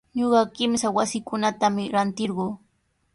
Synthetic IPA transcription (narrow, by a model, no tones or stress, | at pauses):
ɲoɢɑkɪmsawasɪkʊnat̪amɪɾant̪ɪɾɢoː